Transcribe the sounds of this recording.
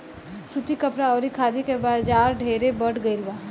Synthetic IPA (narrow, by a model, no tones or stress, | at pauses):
sʊt̪ikɐpɾaɔːɾikʰaːd̪ikebaːd͡ʒaːɾɖʱeːɾebəʈɡɐilbaː